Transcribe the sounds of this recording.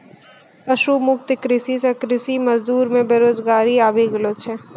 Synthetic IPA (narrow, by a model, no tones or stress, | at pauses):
ɐʃuːmʊk̚t̪ɪkɾɪsisekɾɪsiməzd̪uːɾmẽbeːɾoːzɡaːɾiaːbiɡəloːt͡ʃʰẽ